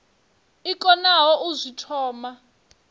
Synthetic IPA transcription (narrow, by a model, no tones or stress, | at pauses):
ikʼɔnaɦɔʔuzʷitʰɔːma